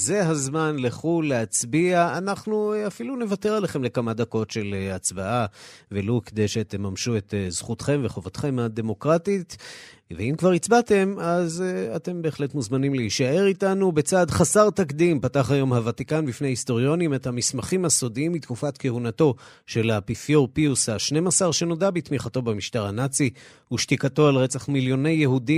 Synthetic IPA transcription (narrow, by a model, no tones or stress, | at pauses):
ze̞ɦazmanleχulːeat͡sbiaanaχnuafilunevate̞ʁaleχe̞mle̞kamad̪ako̞tʃe̞lat͡sbaʔavelokd̪eʃet̪emamʃuet̪zχutχe̞mveχovotχe̞mhad̪e̞mo̞kʁatitveimkvaʁit͡sbate̞mazate̞mbe̞ːχle̞tmuzmanimleiʃae̞ʁitanubet͡saːdχasaʁt̪akd̪impataχajo̞mhavatikanbifne̞jahisto̞ʁjo̞nimethamismaχimhaso̞diimbit̪kufatkehunato̞ | ʃe̞lapifjoʁpiushaʃne̞masaʁʃe̞no̞dabit̪miχato̞bemiʃtaʁhanat͡si | uʃtikato̞alʁet͡saχmiljo̞ne̞jːeɦudi